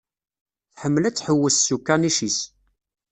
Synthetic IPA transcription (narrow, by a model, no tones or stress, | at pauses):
θħəmːəlæt͡sːħəwːəssukːaniʃis